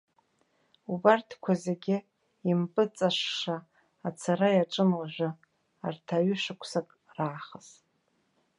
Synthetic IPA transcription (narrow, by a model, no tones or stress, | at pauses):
ubartʰkʷʰazeɡʲɪ | impʼɨt͡sʼaʂʂaː | t͡sʰaɾajaʈ͡ʂʼɨmlaʒᶣʷɨ | artʰaɥʏʃʷakʷʰsakʼ | raːχəz